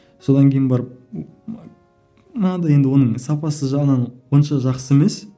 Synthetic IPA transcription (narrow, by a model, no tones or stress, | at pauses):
so̞d̪ɑŋkʲʰe̞jɪnbɑɾəp̚ | mənɑd̪ɑje̞nd̪ɪwo̞nəɴsɑpɑsəʒɑʁənɑnwo̞nʃɑʒɑqsəe̞me̞s